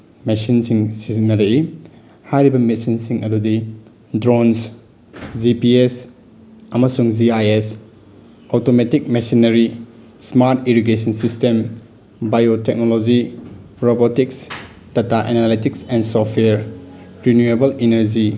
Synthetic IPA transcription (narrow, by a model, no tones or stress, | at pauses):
mesinsiŋsizinːɐɾɐi | hajɾibɐmitsinsiŋɐdudi | dɾons | zipies | ɐmɐsuŋziajes | otometik̚mesinɐɾi | smaɾtiɾiɡesɐnsistem | bajotek̚nolod͡ʒi | ɾobotiks | d̥ataʔenalitiksɛnsɔtʰweɾɾinjuebɐlinɐɾd͡ʒi